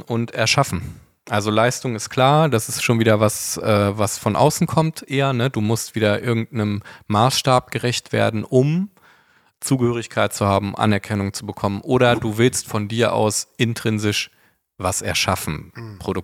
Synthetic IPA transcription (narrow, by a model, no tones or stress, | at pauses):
ʔʊntɛɐʃafn̩ | ʔalzolaɪstʊŋɪst̚kʰl̥aːɐd̥asɪstʃoːnviːdɐvasʔɛːvasfɔnʔa̰ʊsn̩kʰɔmtʰʔeːɐnəduːmʊstv̥iːdɐʔɪɐɡŋ̩t̚nəmːaːsʃtaːp̚ɡ̥əʁɛçtv̥ḛːɐdn̩ʔʊm | t͡suːɡəhøːʁ̞ɪçkʰaɪt̚t͡suhaːbm̩ʔa̰nɛɐkʰɛnʊŋt͡subəkʰɔmənʔoːɾɐduːvɪlstfɔndiːɐʔa̰ʊsʔɪntʁ̥ɪnzɪʃ | vasɛɐʃafn̩pʁ̥odʊ